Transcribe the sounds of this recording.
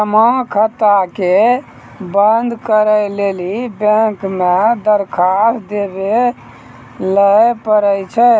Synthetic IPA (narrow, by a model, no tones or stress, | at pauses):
səmə̃kʰət̪ːake | bənd̪ʱkəɾəjlelibẽŋkmed̪əɾkʰasd̪ebe | ləpəɾəjt͡ʃʰɛ